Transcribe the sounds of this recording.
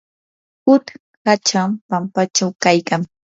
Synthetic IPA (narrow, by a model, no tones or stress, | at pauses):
hʊt̪ | hat͡ʃampampat͡ʃawkajkaŋ